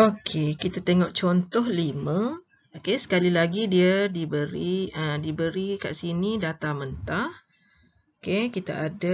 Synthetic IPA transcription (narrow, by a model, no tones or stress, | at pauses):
okʰekit̪at̪eŋɔʔt͡ʃɔnt̪ɔhlimə̃ | okesə̥kalilaɡidiadibəɾiə̃dibəɾika̰ʔsinidat̪amənt̪ah | okekit̪a̰ʔada